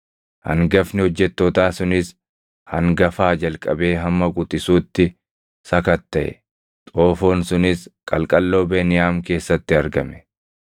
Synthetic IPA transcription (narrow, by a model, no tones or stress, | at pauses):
hɐ̰ŋɡɐfnɪhɔd͡ʒːɛt̪ːoːt̪aːsʊnɪs | hɐŋɡɐfaːd͡ʒɐlkʼɐbe̞ːɦɐmːɐɡʊt̪ʼɪsuːt̪ːɪ | sɐkɐt̪ːɐʔɛ̰ | t̪ʼo̞ːfo̞ːnsʊnɪskʼɐlkʼɐlːo̞ːbeːnɪjaːmke̞ːsːɐt̪ːɪɐɾɡɐmɛ̥